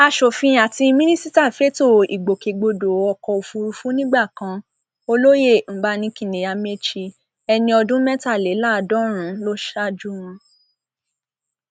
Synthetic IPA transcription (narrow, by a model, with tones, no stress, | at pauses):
a˧ʃo˨fĩ˧a˨ti˧mĩ˦nĩ˦si˦ta˦˨fe˦to˦˨i˨ɡ͡bo˨ke˨ɡ͡bo˧do˨˦ɔ˧kɔ˧o˨fũ˧ɾu˧fũ˦nĩ˦ɡ͡ba˦˨kã˧ | o˧lo˦je˦˨m̩˨˦ba˦nĩ˧˦kĩ˦˨nẽ˨a˧me˦t͡ʃi˧ | ɛ˧nĩ˧ɔ˧dũ˦mɛ˦ta˦˨le˨˦la˦˨dɔ̃˦ɾ̃ũ˨˦lo˦ʃa˦d͡ʒu˦w̃ɔ̃˧